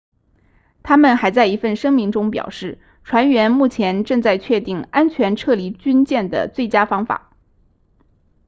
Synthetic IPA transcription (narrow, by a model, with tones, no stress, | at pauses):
t̪ʰa˥mə˨nxa˧˥ɪt͡sa˥˩ɪi˧˥fə˥˩nʂɤ˥ŋmi˧˥ŋʈ͡ʂʊ˥ŋpjɑ̰˨˩ʊʂɻ̩˥˩ | ʈ͡ʂʰwa˧˥nɥɛ˧˥nmu˥˩t͡ɕʰjɛ˧˥nʈ͡ʂɤ˥˧ŋt͡sa˥˧ɪt͡ɕʰɥɛ˥˧t̪i˥˩ŋa˥nt͡ɕʰɥɛ˧˥nʈ͡ʂʰɤ˥˩li˧˩t͡ɕy˥nt͡ɕjɛ˥˩nd̪ə̰˩t͡swe˥˩ɪt͡ɕja˥fɑ˥ŋfa̰˨˩˦